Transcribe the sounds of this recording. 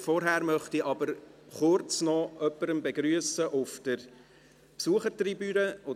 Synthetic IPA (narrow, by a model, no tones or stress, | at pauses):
fɔɾɦæːɾmœχtiʔɑbəɾχʊɾt͡snɔʔœpːəɾəmbeɡɾyəsəʔʊfd̥əɾ | psuəχəɾtribyːɾəo